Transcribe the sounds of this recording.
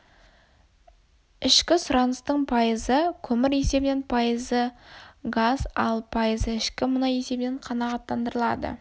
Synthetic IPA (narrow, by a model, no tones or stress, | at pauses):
ɪʃkʲɪsʊɾɑnəst̪əɴpʰɑjəzəkʲʰɵmɪɾe̞se̞bɪne̞npʰɑjəzəɡazɑ̰lˠpʰɑjəzəɪʃkʲɪmʊnɑje̞se̞bɪneɴqʰɑnɑʁɑt̪ːɑnd̪əɾəlˠɑ̰d̪ə̰